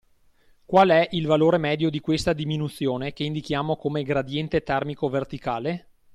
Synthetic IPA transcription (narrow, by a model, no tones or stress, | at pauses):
kwalɛʔilvaloːɾemɛːd̪jod̪ikwest̪ad̪iminut̪sːjoːnekeind̪ikjaːmokomeɡɾad̪jɛnt̪et̪ɛrmikovert̪ikaːle